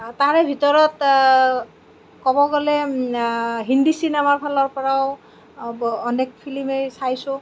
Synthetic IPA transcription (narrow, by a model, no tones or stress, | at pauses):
taɹɛbʱitɔɹɔt | kɔbɔɡɔlɛ | ɦindisinamaɹpʰalɔɹpɔɹao | ɔnɛk̚pʰilimejsajsʊ̃